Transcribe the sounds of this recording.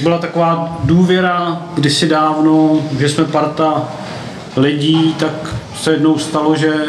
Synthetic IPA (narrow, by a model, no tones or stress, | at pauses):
bɪlat̪ako̞vaːduːvjɛɾaɡdɪsɪdaːvnoʒɛsmɛpaɾt̪a | lɪɟiːt̪ak | sɛjɛdno̞wst̪aloʒɛ